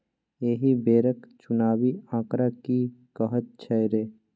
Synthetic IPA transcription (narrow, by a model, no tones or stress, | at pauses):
jeːɦibeːɾəkt͡ʃʊnaːwiãːkɾakikəɦət̪̚t͡ʃʰɛɾeː